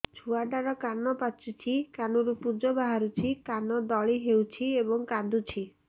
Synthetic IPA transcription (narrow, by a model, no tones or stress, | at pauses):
t͡ʃʰuaɖaɾɔkanɔpat͡ʃut͡ʃʰikanɔɾupud͡ʒɔbaɦaɾut͡ʃʰikanɔd̪ɔɭiɦewt͡ʃʰiebɔŋkad̪ut͡ʃʰi